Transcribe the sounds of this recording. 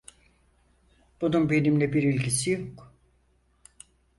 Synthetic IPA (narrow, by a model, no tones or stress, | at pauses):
b̥ununbe̞nimlʲɛbiɾilʲcʰisijok